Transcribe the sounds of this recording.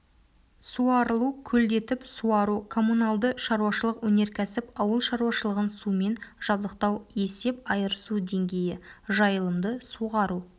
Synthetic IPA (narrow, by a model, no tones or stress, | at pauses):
suɑɾəlˠukʲʰɵld̪e̞t̪ɪpsuɑɾukʰo̞munalˠd̪əʃɑɾuwɑʃəlˠəqwɵne̞ɾkʲʰæsɪpɑwəlˠʃɑɾuwɑʃəlˠəʁənsume̞nʒ̥ɑbd̪əq̚t̪ɑwe̞se̞pɑjəɾəsud̪e̞ŋɡʲe̞jɪʒɑjəlˠəmd̪əsuʁɑɾu